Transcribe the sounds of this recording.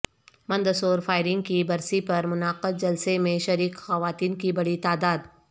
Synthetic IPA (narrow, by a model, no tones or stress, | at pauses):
mɐ̃nd̪əsoːɾfʰaːɪɾɪ̃ŋɡ̚kibɐɾsipɐɾmʊnaːqəd̪̚d͡ʒɐlsemẽʃɐɾiːqxɐʋaːt̪iːnkibɐɽit̪aːd̪aːd̪